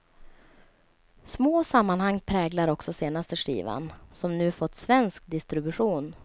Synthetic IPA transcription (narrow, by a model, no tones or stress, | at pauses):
smoːsamːanhaŋːpʰɾɛːɡlaɾɔksɔseːnast̪əʂḭːva̰nsɔmnʉ̟ːfɔt̪ːsvɛnsk̚d̪ɪst̪ɾɪbɵɧuːn